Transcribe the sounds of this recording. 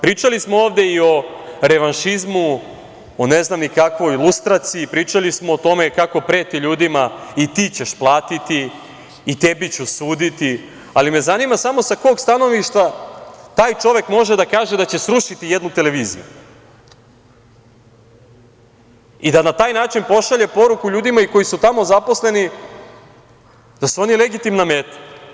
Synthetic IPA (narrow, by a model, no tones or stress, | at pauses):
pɾiːt͡ʃalismo̞oːʋd̪e̞io̞ɾe̞ʋanʃizmu | one̞znamnikakʋo̞jilust̪ɾat̪siipɾiːt͡ʃalismoːt̪o̞me̞kako̞pɾe̞ːt̪iʎuːd̪imait̪iːt͡ɕe̞ʃplˠaːt̪it̪iː | t̪ebit͡ɕusuːd̪it̪i | alime̞zanimasamo̞sako̞ːɡst̪ano̞ʋiʃt̪ʋat̪aːjt͡ʃo̞ʋe̞kmo̞ʒed̪akaːʒed̪at͡ɕe̞sɾuʃit̪ijed̪nut̪e̞le̞ʋiːzḭjṵ | id̪anat̪aːjnaːt͡ʃinpo̞ʃaʎe̞po̞ɾukuʎuːd̪imaiko̞jisut̪amo̞zapo̞sle̞ni | d̪̥asuo̞nileɡit̪imname̞ːt̪ḁ